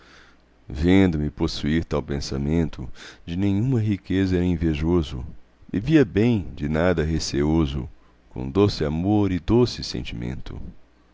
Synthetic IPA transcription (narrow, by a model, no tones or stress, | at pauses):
vẽnd̪ʊmɪposuiɾt̪awpẽsamẽnt̪ʊd͡ʒɪnẽj̃ũmɐɦikezɐɾĩveʒozʊ̰ | ɪviɐbẽj̃d͡ʒɪnad̪ɐɦeseozʊ̰ | kõ̰d̪osɪamoɾɪd̪osɪsḛ̃nt͡ʃimḛ̃nt̪ʊ̰